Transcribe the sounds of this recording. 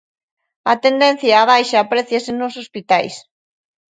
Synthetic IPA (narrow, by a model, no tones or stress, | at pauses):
ɐt̪end̪ɛ̃n̟θjaːβajʃaːpɾɛθjɐsenosospit̪ajs